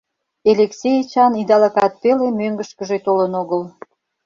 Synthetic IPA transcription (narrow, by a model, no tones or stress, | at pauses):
elʲeksʲejt͡ɕɑnid̪ɑlɑkɑt̪̚pelemøŋɡəʃkəʒet̪olənoɣəl